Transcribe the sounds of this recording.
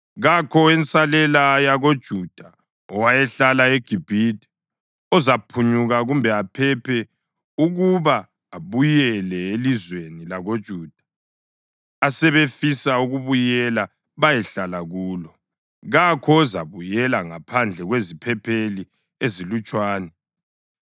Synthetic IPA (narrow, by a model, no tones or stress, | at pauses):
ɣakʰɔwɛnt͡sʼalɛlajaɣod̥ʒ̥ʱud̥ʱa | ɔwajɛɬalaeɡ̥ʱib̥ʱidʱɛ̥ | ɔzapʰuɲuɣaɣumbʱɛapʰɛpʰɛ | uɣuβaː | βujɛlɛelizwenilaɣod̥ʒ̥ʱuːd̥ʱa | asɛβefisauɣuβujɛla | βajɛɬalaɣuːlɔ | ɣakʰɔza̰βujɛlaŋapʰand͡ɮʱɛɣwezipʰɛpʰeli | ezilut͡ʃʼwaːnɛ